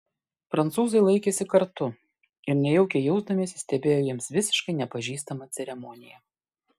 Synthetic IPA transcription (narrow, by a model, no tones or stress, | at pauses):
pɾɐnt̪suːzɐɪlˠɐɪkʲeːsʲɪkɐɾt̪ʊ | ɪɾnʲɛjɛʊkʲejɛʊzd̪ɐmʲiːsʲɪsʲt̪ʲɛbʲeːjoːjiɛmsʋʲɪsʲɪ̥ʃkɐɪnʲɛpɐʒʲiːst̪ɐmɐt̪sʲɛɾʲɛmɔnʲɪjɛ